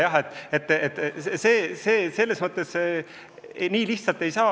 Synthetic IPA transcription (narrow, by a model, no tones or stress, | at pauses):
jɑɦet̪ːˑet̪ˑːet̪ːˑse̞ːse̞ːse̞lːesmɤt̪ːˑe̞s | niːliht̪sɑlt̪ːˑe̞jsɑː